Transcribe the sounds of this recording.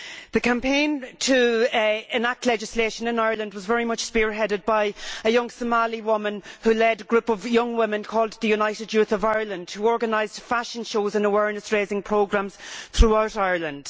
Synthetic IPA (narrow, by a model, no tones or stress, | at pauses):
ðəkʰãmpʰẽɪ̃ntʰə | ɪ̃nak̚tʰˡlɛd͡ʒɪsleːʃə̃nɪ̃naɪə˞lə̃ndwɒzvɛɹimʌt͡ʃspɪɹɦɛɾɨd̚baɪəjʌ̃ŋsəmaliwʊmə̃nhʉlɛdəɡɹʉpʌvjʌ̃ŋwɪ̃mɪ̃nkʰɔːlˠd̪̚ðəjunaɪɾɪdjʉθəvaɪə˞lə̃nd̥huɔːɹɡənaɪzd̥faʃə̃nʃoːzə̃nəwɛɹnəsɹeːzɪ̃ŋpʰɹ̥oʊɡɹãmz̥θɹuaʊɾaɪə˞lə̃nd̥